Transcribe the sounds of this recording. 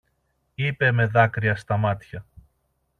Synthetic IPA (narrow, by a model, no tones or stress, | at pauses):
ipe̞me̞ðɐkɾiɐst̪ɐmɐt̪çɐ